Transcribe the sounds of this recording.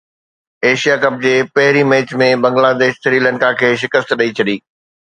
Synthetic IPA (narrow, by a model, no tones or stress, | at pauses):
eːʃijakɐb̚d͡ʑeːpɐɦɪɾimeːt͡ɕmẽbɐ̃ŋɡlaːd̪eːʃsɪɾiːlə̃nkakʰeːʃɪkəst̪ɗɐit͡ɕʰɐɗiː